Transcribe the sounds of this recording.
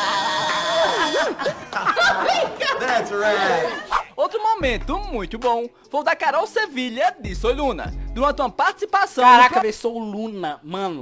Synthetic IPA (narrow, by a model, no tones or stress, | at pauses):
ekɐðætsɹaj̚ɛowt̪ɾʊmomẽnt̪ʊmũj̃t̪ʊbõ | fojd̪ɐkaɾɔwseviʎɐd̪ɪsojlũnɐ̰d̪uɾɐ̃nt̪ɪũɐpaɾt̪i̥si̥pasɐ̃wkaɾakɐvesowlũnɐmɐ̃nʊ